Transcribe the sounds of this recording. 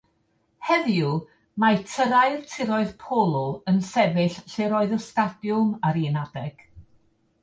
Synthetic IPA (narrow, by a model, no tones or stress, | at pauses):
hɛðju | matʰəɾaɨrtʰɪɾɔɨðpʰolˠɔənsɛvɪɬɬɪɾoɨðɔstadjʊmaɾinadɛɡ̥